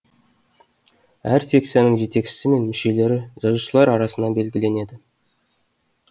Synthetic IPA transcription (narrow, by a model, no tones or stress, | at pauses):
æ̰ɾt̪ʲʰeksijɑnəɴʒe̞t̪e̞kʃɪ̥sɪme̞nmʏʃe̞le̞ɾɪʒ̥ɑzuʃəlˠɑɾɑɾɑsənɑbe̞lɡʲɪle̞ne̞d̪ɪ